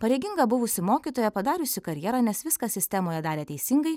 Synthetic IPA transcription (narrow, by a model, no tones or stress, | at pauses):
pɐɾʲɛɡʲɪŋɡɐbʊʋʊsʲɪmoːkʲiːt̪oːjɛpɐd̪ɑːɾʲʊsʲɪkɐɾʲjɛːɾɑnʲɛsʋʲɪskɐsʲɪsʲt̪ʲɛmoːjɛd̪ɑːɾʲeːt̪ʲɛɪsʲɪŋɡɐɪ